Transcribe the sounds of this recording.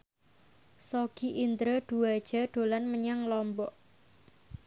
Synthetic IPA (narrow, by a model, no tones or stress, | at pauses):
sɔɡ̥iʔint̪ɾəɖ̪̥uad̥ʒ̥a̤ɖ̪̥olanməɲaŋlɔmbɔʔ